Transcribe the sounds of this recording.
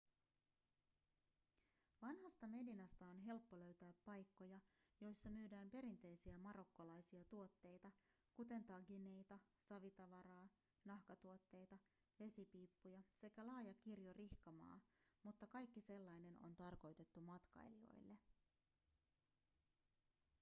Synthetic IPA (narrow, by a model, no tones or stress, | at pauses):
ʋɑnhɑst̪ɑme̞dinɑst̪ɑo̞nɦe̞lpːo̞lø̞ɥt̪æːpːɑjkːo̞jɑ | jo̞jsːɑmyːdæːmpe̞ɾint̪e̞jsiæmɑɾo̞kːolɑjsiɑt̪uo̞t̪ːe̞jt̪ɑ | kut̪e̞nt̪ɑɡine̞jt̪ɑsɑʋit̪ɑʋɑɾɑː | nɑhkɑt̪uot̪ːe̞jt̪ɑ | ʋe̞sipiːpːujɑse̞k̟ælɑːjɑk̟irjorihkɑmɑ̰ːmut̪ːɑkɑjkːise̞lːɑjne̞no̞̰nt̪ɑrko̞jt̪e̞t̪ːumɑt̪kɑ̰jlio̞̰jlːe̞